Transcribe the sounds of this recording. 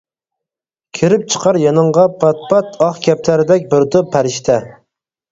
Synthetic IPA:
kʲʰiɾɪp̚t͡ʃʰə̥qɑɾjɑnɨɴʁɑpʰɑt̪̚pʰɑt̪ʰɑχkʲʰɛp̚t̪æɾɪd̪ɛkʲbɪɾt̪ʊpʰːæɾɪʃt̪ʰɛ

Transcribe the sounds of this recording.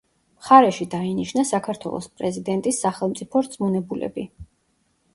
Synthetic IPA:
mχaɾɛʃid̪ainiʃnasakʰaɾt̪ʰwɛ̰lˠɔ̰spʼɾɛzid̪ɛnt̪ʼisːaχɛlˠmt̪sʼipʰɔɾd̪zmunɛbulɛ̰bi

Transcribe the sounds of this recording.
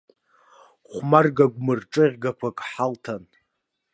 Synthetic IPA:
χʷmarɡaɡʷmɨrʈ͡ʂʼɨʁʲɡakʷʰakʼħaltʰan

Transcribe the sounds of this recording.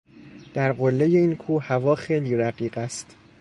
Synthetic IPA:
d̪̥æɾɢo̞lːeje̞iːnkʰuːhævɒːxejliːɾæɢiːɢæst̪

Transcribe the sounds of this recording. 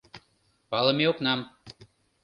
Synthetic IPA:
pɑlˠə̆meoknɑm

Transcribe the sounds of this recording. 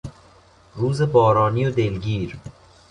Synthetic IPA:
ɾuːzebɒːɾɒːnijod̪elɡiːɾ

